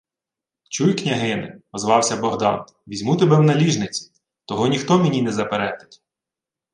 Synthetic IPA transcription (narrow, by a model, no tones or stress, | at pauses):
t͡ʃujknʲɐɦɪnɪ̰ɔzʋɑwsʲɐbɔɦd̪ɑ̰n | ʋʲizʲmut̪ebɛwnɐlʲiʒnɪt͡sʲi̥ | t̪ɔɦɔnʲixt̪ɔmʲenʲinɛzɐpeɾɛd̪ɪ̥tʲ